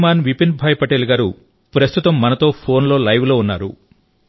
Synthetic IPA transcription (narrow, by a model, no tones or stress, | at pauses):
maːnʋipin̚bʱaːjpɐʈeliɡaːɾu | pɾɐst̪ʰut̪ɐmːɐnɐt̪o̞ːpʰo̞ːnlo̞ːlɐjʋlo̞ːunːa̰ːɾu